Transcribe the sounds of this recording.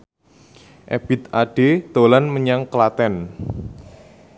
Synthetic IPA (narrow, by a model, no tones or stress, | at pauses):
ʔḛb̥ɪt̪aɖ̥ed̪̥olanməɲaŋkəlat̪ɛn